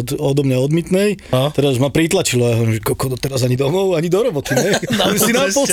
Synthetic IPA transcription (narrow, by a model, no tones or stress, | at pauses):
d̪ɔd̪ɔmɲaɔd̪mit̪nɛjt̪ɛɾazmapɾit̪lat͡ʃilɔajaɦɔʋɾimʒɛkɔlkɔd̪ɔt̪ɛɾazaɲid̪ɔmɔʊaɲid̪ɔɾɔbɔt̪iɲɛɛsinapɔs